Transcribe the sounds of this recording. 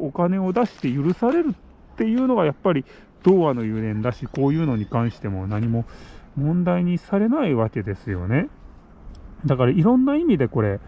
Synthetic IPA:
o̞kane̞o̞d̪aɕi̥t̪e̞jɯɾɯ̟saɾe̞ɾɯ̟ | t̪ːe̞jɯ̟ːno̞ɡajapːaɾʲi | d̪̥o̞ːβano̞jɯːɾẽ̞nd̪aɕiko̞ːjɯ̟ːno̞ɲ̟ikãɰ̃ɕi̥t̪e̞mo̞naɲ̟imo̞mõ̞nd̪aiɲ̟isaɾe̞naiβake̞d̪e̞sɨjo̞̰ne̞ | d̪akaɾaiɾõ̞nːaimʲid̪e̞ko̞ɾe̞

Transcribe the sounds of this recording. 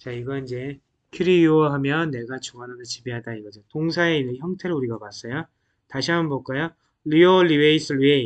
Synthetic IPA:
t͡ɕaiɡʌind͡ʑe̞ | kʰiɾioɦamjʌnːe̞ɡat͡ɕoŋananɯt͡ɕibiɦadaiɡʌd͡ʑotoŋsʰaeinɯçjʌŋtʰe̞ɾɯuɾiɡakas͈ʌjo | taɕʰiɦamʌnbok͈ajo | lioliweisʰɯɭie

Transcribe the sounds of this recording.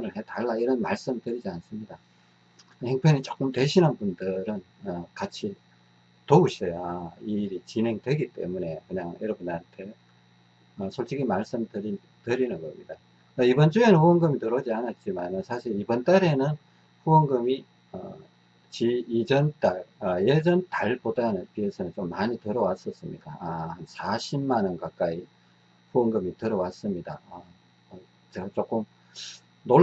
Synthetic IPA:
ɯnɯɭhetaɭːaiɾʌnmaɭs͈ɯmtɯɾid͡ʑians͈ɯmɲida | heŋpʰenit͡ɕ͈o̥k͈ɯmtwe̞ɕʰinɯnbundɯɾɯnʌkat͡ɕʰi | toɡuɕʰʌjaiɾit͡ɕinɦe̞ŋdwe̞ɡit͈e̞̰mune̞kɯɲaŋjʌɾʌbundantʰe̞ | ʌsʰoɭt͡ɕ͈ʰiɡimaɭs͈ɯmtɯɾi | tɯɾinɯnɡʌ̰mɲida | ibʌnt͡ɕuenɯnɸuʌŋɡɯmitɯɾʌd͡ʑianat̚t͡ɕ͈imanɯnsʰaɕʰiɾibʌnt͈aɾe̞nɯn | ɸuʌŋɡɯmi | ʌ̰ | t͡ɕiːd͡ʑʌnt͈aɭʌjed͡ʑʌntaɭpodanɯnpiesʰʌnɯnt͡ɕomːaɲitɯɾʌwas͈ʌs͈ɯmɲidaasʰaɕʰimːanɯnkak͈ai | ɸuʌŋɡɯmitɯɾʌwas͈ɯmɲida | t͡ɕeɡat͡ɕ͈ok͈ɯm | no

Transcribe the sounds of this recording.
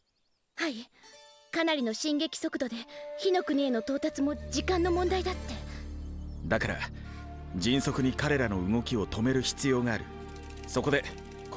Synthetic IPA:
hai | kanaɾʲino̞ɕĩŋɡe̞kʲi̥so̞kɯ̟d̪o̞d̪e̞çino̞kɯ̟ɲ̟ieno̞t̪o̞ːt̪at͡sɨmo̞d͡ʑikãnːo̞mõ̞nd̪aid̪at̪ːe̞ | d̪akaɾa̰ | d͡ʑĩɰ̃so̞kɯ̟ɲ̟ikaɾe̞ɾano̞ɯ̟ŋo̞kʲio̞t̪o̞me̞ɾɯ̟çi̥t͡sɨjo̞ːɡaːɾɯ̟ | so̞ko̞d̪e̞

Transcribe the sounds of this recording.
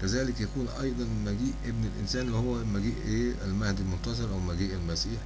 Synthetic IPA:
kæzæːlɪkjækuːnʔɑjd̪ˤɑnmæɡiːʔʔebnelʔɪ̰nsæːnlɪhowːæmæɡiːʔʔeːælmæhd̪ilmont̪ɑzˤɑɾʔæwmæɡiːʔælmæsiːħ

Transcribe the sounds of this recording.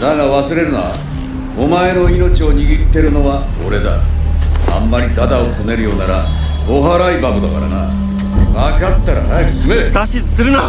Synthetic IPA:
naɡaβasɨɾe̞ɾɯ̟noa̰ | o̞mae̞no̞ino̞t͡ɕio̞ɲ̟iɡʲit̪ːe̞ɾɯ̟no̞βao̞̰ɾe̞d̪a̰ | a̰mːaɾʲid̪ad̪aot̪ʰo̞ne̞ɾɯ̟jo̞ːnaɾa | o̞ɦaɾaibaɡod̪aka̰ɾa̰na̰ | makat̪ːaɾa̰nasɨmeaɕiɨ̥kɨɾɯna

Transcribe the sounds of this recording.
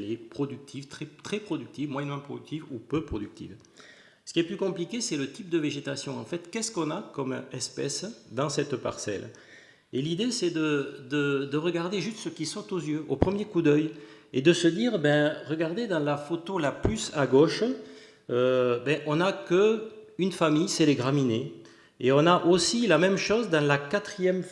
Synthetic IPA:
lepχɔd̪yk̚t̪ʰivt̪χɛt̪χɛpχɔd̪yk̚t̪ivmwajɛnmɑ̃pχɔd̪yk̚t̪ivupøpχɔd̪yk̚t̪ḭv | sə̥kʲiɛplykɔ̃plikʲesɛlət̪ip̚d̪əveʒet̪asjɔ̃ɑ̃fɛt̪kɛskɔ̃nakɔmɛspɛsd̪ɑ̃sɛt̪pa̰ʁsɛ̰l | elid̪esɛd̪əd̪əd̪əʁəɡaʁd̪eʒyst̪səkʲisɔʁt̪ozjøʔopχəmjekud̪œjed̪əsəd̪iːʁbɛ̃ʁəɡaʁd̪ed̪ɑ̃lafot̪olaplysaɡoʃ | øbɛ̃ʔɔ̃nakəynfamijsɛleɡʁamine | eɔ̃naʔosilamɛmʃɔzd̪ɑ̃lakat̪χijɛm

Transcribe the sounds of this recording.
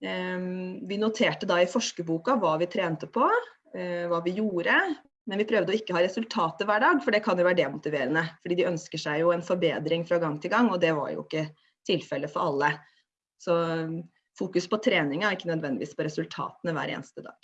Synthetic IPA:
ʋɪnʊt̪ʰeːʈəd̪ɑɪfɔʂkəbuːkɑʋɑːʋɪt̪ʰɾeːnt̪əpʰɔ | ʋɑːʋɪjuːɾə | mɛnʋɪpʰɾœʋd̪əɔɪkːəhɑːɾɛsʉlt̪ʰɑːt̪əʋæːɖɑːɡfɔɖɛkʰɑnjʊʋæːɾəɖɛmʊt̪ɪʋeːɾənəfɔɖiːd̪ɪœnskəʂæɪjʊɛnfɔɾbeːd̪ɾɪŋfɾɑɡɑŋːt̪ʰɪlɡɑŋːɔd̪ɛʋɑ̰ɾjʊ̰ɪ̰kːə | t̪ʰɪlfɛlːəfɔɾɑlːə | sɔ | fuːkʉspʰɔt̪ʰɾeːnɪŋɑæɾɪkːənœd̪ʋɛnd̪ɪʋḭːspʰɔɾɛsʉlt̪ʰɑ̰ːt̪ənəʋæ̰ːɾḛːnst̪əd̪ɑ̰ːɡ̥

